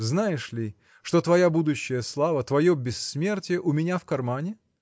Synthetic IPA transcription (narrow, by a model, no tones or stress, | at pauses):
znajɪʂlʲi | ʂt̪o̞t̪vɐjabud̪ʊɕːɪjəslˠavət̪vɐjobʲɪsːmʲe̞rtʲəʔʊmʲɪnʲafkɐrmanʲɪ